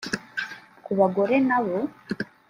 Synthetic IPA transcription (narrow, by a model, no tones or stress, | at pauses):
kuβaɡo̞ɾe̞naβo